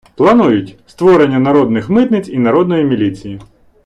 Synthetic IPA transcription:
plˠɐnujʊtʲst̪ʋɔɾenʲːɐnɐɾɔd̪nɪxmɪt̪nɪt͡sʲinɐɾɔd̪nɔjimʲilʲit͡sʲiji

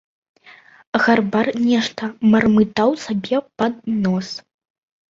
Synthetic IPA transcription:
ɣarbarnʲɛʂt̪ɐmɐrmɨt̪awsabʲɛpad̪nɔs

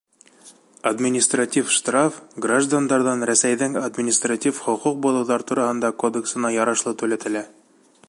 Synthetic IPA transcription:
ad̪mʲɪnʲist̪ratʲifʃt̪rafɡraʒd̪and̪ɑɾðɑnɾæsæjðɘŋɐd̪mʲɪnʲist̪ratʲifχŏquq̚bulˠɤ̆wðɑɾt̪uɾɑhɤ̆nd̪ɑkod̪eksɤ̆nɑjɒɾɑʃlˠɤt̪ʉlæt̪ɘ̆læ

